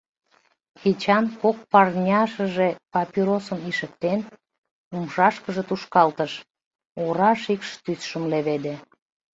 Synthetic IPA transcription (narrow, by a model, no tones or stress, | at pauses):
xet͡ɕɑnkok̚pɑrnʲɑʃə̆ʒepɑpiɾosəmiʃək̚t̪en | umʃɑʃkəʒə̆t̪uʃkɑlt̪əʃ | oɾɑʃikʃt̪ysʃəmleβed̪e